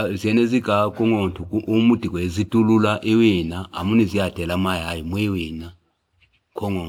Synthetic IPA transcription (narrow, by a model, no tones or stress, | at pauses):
ziɛneziɡakʼuŋɔntʰukʔumutʼikɛzitʼululaʔiwinaa̰muniziatʼɛlamajajimwiwina | kʰɔŋɔ